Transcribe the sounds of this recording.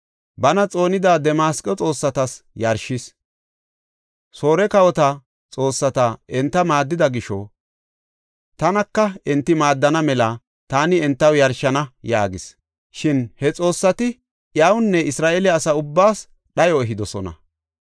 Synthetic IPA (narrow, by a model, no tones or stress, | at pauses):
bɐnɐt͡sʼo̞ːnɪd̪aːd̪ɛmaːskʼːɔt͡sʼo̞ːsːɐt̪ɐsjɐɾʃɪs | so̞ːɾɛkɐwɔt̪ɐ | t͡sʼo̞ːsːɐt̪ɐɛnt̪ːɐmaːd̪ːɪd̪ɐɡɪʃɔ̰ | t̪ɐnɐkːɐɛnt̪ːɪmaːd̪ːɐnɐmɛlɐ | t̪aːnɪɛnt̪ːɐwjɐɾʃɐnɐja̰ːɡɪs | ʃɪnhɛt͡sʼo̞ːsːɐt̪ɪ | ʔjawʊnːɛɪsɾaːʔelɪːsɐʊbːaːs | ɗɐjɔɛɦɪd̪ɔsɔnɐ̰